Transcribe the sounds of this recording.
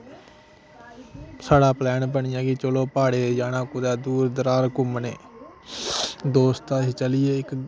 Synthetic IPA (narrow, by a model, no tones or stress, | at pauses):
saːɽaːplɛːnbəɳɪjãːɡiːt͡ʃoloːpaːɽeːd͡ʒaːnãːkʊd̪aːd̪uːɾd̪əɾaːɾkʊmneː | d̪oːst̪aːiːt͡ʃəlɪjeːɪk